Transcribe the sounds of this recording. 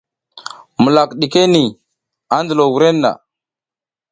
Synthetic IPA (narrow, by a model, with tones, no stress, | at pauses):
mə˨la˨kɗi˨ke˦ni˨ | a˦ndə˨lo˨wu˨ɾe˦nːa̰˨